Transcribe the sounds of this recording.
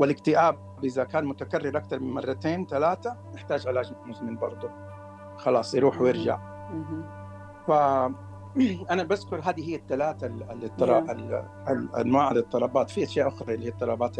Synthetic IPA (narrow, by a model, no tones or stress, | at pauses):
wɪlɪkt̪ɪʔaːb̚ | ʔɪðakaːnmʊt̪akarːɪɾʔakt̪ɑɾˤmɪnmɑrˤːɑt̪eːnt̪alaːt̪anɪħt̪aːd͡ʒʔalaːd͡ʒmɪmʊzmɪnbɑɾˤd̪ˤʊ | xɑlɑːsˤjɾuːħwjɪɾʒa̰ʕ̩ | fa | ʔanabaskʊɾˤɦaːd̪iɦɪjːat̪ːalaːt̪alɪt̪ˤːɑlˤɑal | alʔa̰nwaːʕalɨt̪ˤːɑlɑbaːt̪fiʔaʃjaːʔʊxɾˤɑʔɪlːihiːt̪ˤːɑlɑbaːt̪